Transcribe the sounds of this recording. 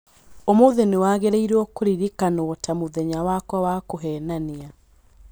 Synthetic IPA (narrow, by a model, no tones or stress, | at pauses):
omoðenewaːɣeɾeiɾɔkoɾiɾikanotamoðɛɲawakwɔwakoɦɛnania